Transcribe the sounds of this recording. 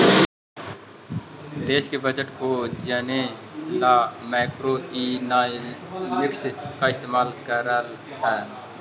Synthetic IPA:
d̪eːʃkebəd͡ʒəʈkod͡ʒənelaːmɛːkɾoina | lɪkskaɪst̪eːmaːlkəɾəɾ | ɦɛː

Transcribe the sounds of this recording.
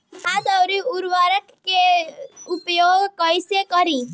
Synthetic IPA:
had̪awɾiuɾʋaɾəkkeupjoɡkɔjsekɔɾĩ

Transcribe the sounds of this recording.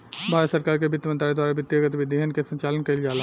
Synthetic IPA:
bʱaːɾsəɾkaːɾkebɪt̪ːjəmənt̪ɾaɾid̪waːɾabɪt̪ːiɡət̪ʋɪd̪ʱːiɦənkesɐ̃ɲt͡ʃaːlənkɐild͡ʒaːla

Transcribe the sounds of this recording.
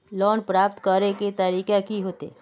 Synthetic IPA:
lɔːnpɾaːpt̪kəɾeket̪ɐɾiːkekiɦoːt̪ḛː

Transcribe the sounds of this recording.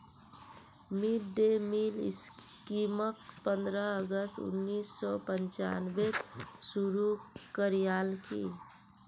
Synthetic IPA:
miʈɖemilɪ̰skiməkpənd̪ɾəəɡəst̪ṵnːiːsːɔpənt͡ʃa̰nbesuɾukəɾijalkḭ

